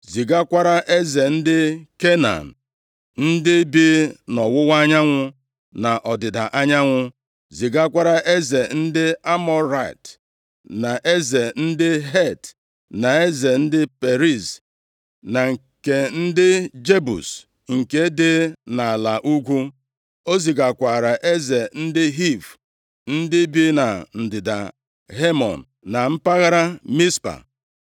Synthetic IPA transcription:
zi˨ɡa˦kʷa˦ɾa˦ʔe˦ze˨n̩˦dɪ˦ke˦na̰˨n̩˨ | n̩˦dɪ˦bi˦nɔ˨wʊ˦wa˦ɲa˦ŋʷʊ˦ | na˨ʔɔ˨dɪ˨da̰˨ʔa˦ɲa˦ŋʷʊ˦ | zi˨ɡa˦kʷa˦ɾa˦ʔe˦ze˨n̩˦dɪ˦a˦mɔ˦ɾa˨t | na˨ʔe˦ze˨n̩˦dɪ˦ɦe˦˨t | na˨e˦ze˨n̩˦dɪ˦pe˨ɾi˦˨z | na˨ŋ̩˨ | ke˨n̩˦dɪ˦d͡ʒe˦bṵ˨s | ŋ̩˨ke˦dɪ˦na˨la˨ʔu˦ɡʷu˦ | o˦zi˨ɡa˨kʷa˨ɾa˨ʔe˦ze˨n̩˦dɪ˦ɦi˦˨v | n̩˦dɪ˦bi˦na˨n̩˨dɪ˨da̰˨ | ɦe˦mɔ̰˨n˨ | na˨m̩˦pa˦ɣa˦ɾa˦mi˦spa̰˨

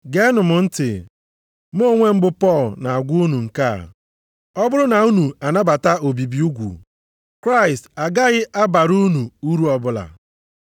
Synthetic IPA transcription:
ɡe˦nʊ˨mʊ˨n̩˦tɪ̰˨ | m˦o˦˨ŋʷe˦m̩˦bʊ˦pɔ˦˨lna˨a˨ɡʷu˦u˦nu˨ŋ̩˨ka̰˦˨ | ɔ˦bʊ˦lʊ˦na˨u˦nu˨a˨na˦ba˨ta˦o˨bi˨bi˦u˦ɡʷṵ˨ | kɾa˦ɪ˨sta˨ɡa˦ɣɪ˦ʔa˦ba˨ɾu˦nu˨u˦ɾu˦ɔ˦bʊ˦la̰˨

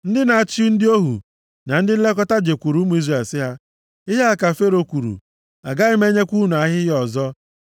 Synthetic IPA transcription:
n̩˦dɪ˦na˨a˨t͡ʃi˦u˦n̩˦dɪ˦o˦ɦṵ˨ | na˨n̩˦dɪ˦n̩˦le˦kɔ˦ta˦d͡ʒe˨kʷu˨ɾu˦mu˨˦i˦zrae˨lsɪ˦ɦa˦ | ɪ˦ɦe˦a˨ka˨fe˦ɾo˦kʷu˨ɾṵ˨ | a˨ɡa˦ɪ˦me˦ɲe˦kʷu˦nu˨a˨ɦɪ˦jjɔ˨zɔ˦

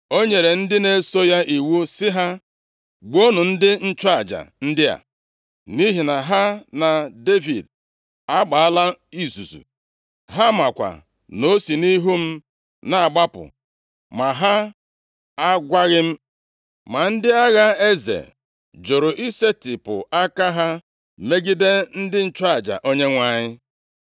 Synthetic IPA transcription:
o˦ɲe˨ɾe˨n̩˦dɪ˦ne˦so˦ja˦ʔi˨wu˦sɪ˦ɦa˦ | ɡ͡bo˦nu˨n̩˦dɪ˦n̩˦t͡ʃɔ˦a˨d͡ʒa̰˨n̩˦dɪ˦a̰˨ | ni˦ɦi˨na˨ɦa˦na˨de˦vi˨d | a˦ɡ͡ba˨a˦la˦i˦zṵ˨zṵ˨ | ɦa˦ma˨kʷa̰˨ | no˦si˨ni˦ɦu˦m̩˦ | na˦˨a˨ɡ͡ba˦pʊ̰˨ | ma˨ɦa˦ | a˦ɡʷa˦ɣɪ˦m̩˦ | ma˨n̩˦dɪ˦a˦ɣa˦e˦zḛ˨ | d͡ʒo˨ɾʊ˨ʔi˦se˦tɪ˨pʊ˨a˦ka˦ɦa˦ | me˦ɡi˦de˦n̩˦dɪ˦n̩˨t͡ʃa˦˨d͡ʒa̰˨ʔo˦ɲe˦ŋʷa˨ɲɪ˦

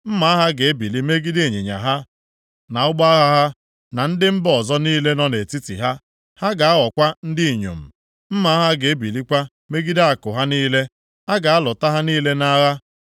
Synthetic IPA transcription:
m̩˦ma˨˦ɦa˦ɡe˨e˦bi˨li˦me˦ɡi˦de˦˨ɲe˨ɲa̰˨ɦa˦ | na˨ʊ˦ɡ͡ba˦a˦ɣa˦ɦa˦ | na˨n̩˦dɪ˦m̩˦bɔ˨zɔ˦niː˦le˦nɔ˦ne˨ti˦tḭ˨ɦa˦ | ha˦ɡa˨a˦ɔ˨kʷa˦n̩˦dɪ˦i˨ɲo̰˨m̩˨ | m̩˦ma˨˦ɦa˦ɡe˨e˦bi˨li˦kʷa˦ | me˦ɡi˦da˦a˨kʊ˨ɦa˦niː˦le˦ | a˦ɡa˨a˦lʊ˨ta˦ɦa˦niː˦le˦na˦ɾa˦

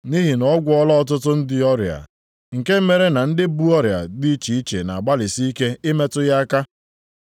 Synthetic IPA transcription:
ni˦ɦi˨nɔ˦ɡʷʊ˦ɔ˦lɔ˦ɔ˦t̬ʊ˦tʊ˦n̩˦dɪ˦ɔ˦ɾja̰˨ | ŋ̩˨ke˦m˦me˦ɾe˦na˨n̩˦dɪ˦bu˦ɔ˦ɾja̰˨di˦t͡ʃi˨i˦t͡ʃḛ˨na˨a˨ɡ͡ba˦lɪ˨si˦i˦ke˦ɪ˦me˦tʊ˦ja˦ka˦

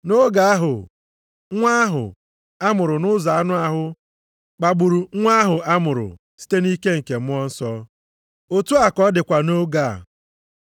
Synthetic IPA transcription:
no˦ɡa˦a˦ɦʊ̰˨ | ŋʷa˦ɦʊ̰˨ | a˦mʊ˨ɾʊ˨nʊ˦za˨a˦nʊ˦a˦ɦʊ˦ | k͡pa˨ɡ͡bu˨ɾu˨˦ŋʷa˦ɦʊ˨a˦mʊ˨ɾʊ̰˨ | si̥˦te˦ni˦ke˦ŋ̩˨ke˨m̩˦ɔ˦n̩˦sɔ˦ | o˨tu˦a˨kɔ˦dɪ˨kʷa˨no˦ɡa̰˨

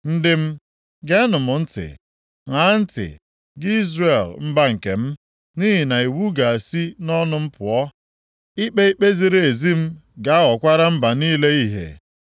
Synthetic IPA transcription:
n̩˦dɪ˦m̩˦ | ɡe˦nʊ˨mʊ˨n̩˦tɪ̰˨ | ŋa˨˦n̩˦tɪ̰˨ | ɡɪ˦i˦zre˨lm̩˦ba˦ŋ̩˨ke˨m̩˦ | ni˦ɦi˨na˨i˨wu˦ɡa˨a˨si˦nɔ˦nʊ˦m̩˦pʊ˨ɔ˦ | i˦k͡pe˦i˦k͡pe˦zi˨ɾe˨e˨zi˦m̩˦ɡa˨a˦ɣɔ˨kʷa˦ɾa˦m̩˦ba˨niː˦le˦i˦ɦḛ˨

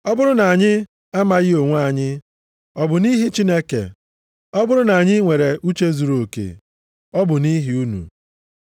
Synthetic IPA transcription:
ɔ˦bʊ˦ɾʊ˦na˨a˨ɲɪ˦ | a˦ma˨ɣɪ˦o˨ŋʷ˦a˦˨ɲɪ˦ | ɔ˦bʊ˨ni˦ɦi˦t͡ʃi˦ne˦kḛ˨ | ɔ˦bʊ˦ɾʊ˦na˨a˨ɲɪ˦ŋʷe˨ɾe˨ʔu˦t͡ʃe˦zu˨ɾo˨kḛ˨ | ɔ˦bʊ˨ni˦ɦi˨u˦nṵ˨

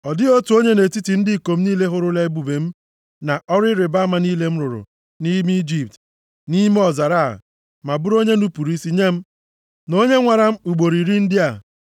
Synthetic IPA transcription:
ɔ˨dɪ˦o˦tu˨o˦ɲe˦ne˨ti˦ti˨n̩˦dɪ˦˨ko˨m̩˦niː˦le˦ɦʊ˦ɾʊ˦le˦e˦bu˨be˨m̩˦ | na˨ʔɔ˦ɾɪ˦ɾɪ˨ba˦ma˨niː˦le˦m̩˦ɾʊ˨ɾʊ̰˨ | ni˦m˦d͡ʒi˦p̚t | ni˦m˦ɔ˨za˨ɾa̰˦˨ | ma˨bʊ˦ɾo˦ɲe˦nu˦pu˨ɾi˦si˦ɲe˦m̩˦ | no˦ɲe˦ŋʷa˨ɾa˦m̩˦u˨ɡ͡bo˨ɾi˨ɾi˦n̩˦dɪ˦a˨

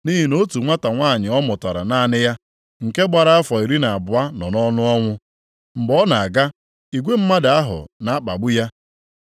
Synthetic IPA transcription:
ni˦ɦi˨no˦tu˨ŋʷa˦ta˨ŋʷaː˦˨ɲɪ˨ɔ˦mɔ˨ta˨ɾa̰˨na˦˨nɪ˦ja˦ | ŋ̩˨ke˦ɡ͡ba˨ɾa˦a˦fɔ˨i˨ɾi˦na˨a˨bʊ˨a˦nɔ˨nɔ˦nʊ˦ɔ˦ŋʷʊ˦ | m̩˨bɔ˦na˨a˨ɡa˦ | i˨ɡʷe˦m̩˦ma˦dɪ˨a˦ɦʊ̰˨na˨˦a˦k͡pa̰˨ɡ͡bʊ˦ja˦

